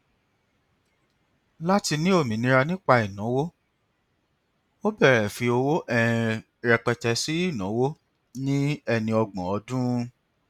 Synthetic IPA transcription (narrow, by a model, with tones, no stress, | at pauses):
la˦ti˧nĩ˦o˦˨mĩ˨nĩ˨˧ɾa˧nĩ˦k͡pa˧i˨nã˨˦wo˦ | o˦bɛ˦˨ɾɛ˨fi˧o˧wo˦ʔɛ̃˦˨˧ | ɾɛ˧k͡pɛ˧tɛ˧si˦i˦˨nã˨˦wo˦ | nĩ˦ɛ˧nĩ˧ɔ˧ɡ͡bɔ̃˨ɔ˨˦dũ˦˧